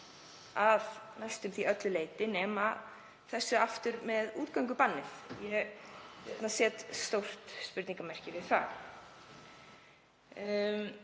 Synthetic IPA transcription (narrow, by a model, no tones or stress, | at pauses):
aðnast̪ʏmθiœt̪lʏleːjt̪ɪnɛːma | θɛsːʏaft̪ʏɾmɛðuːt̪̚kaɥŋkʏpanːɪθjɛ | ɛ̰t̪nasɛːt̪st̪owr̥t̪spʏɾt̪niŋkamɛr̥cɪvɪðθa̰ | m